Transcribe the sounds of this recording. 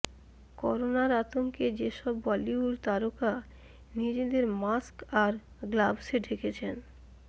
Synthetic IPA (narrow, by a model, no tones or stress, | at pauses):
kɔɾonaɾat̪oŋked͡ʑeʃɔbːaliuɾt̪aɾoka | nid͡ʑed̪eɾmaskaɾ | ɡlabseɖʱeket͡ɕʰen